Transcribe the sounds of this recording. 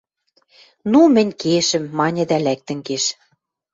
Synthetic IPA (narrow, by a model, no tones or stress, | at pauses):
numɘ̆nʲkeʃɘ̆mːɑnʲɘ̆d̪ælæk̚t̪ɘ̆ŋkeʃ